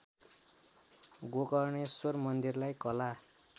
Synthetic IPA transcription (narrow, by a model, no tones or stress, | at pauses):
ɡokʌrnesormʌnd̪irlajkʌla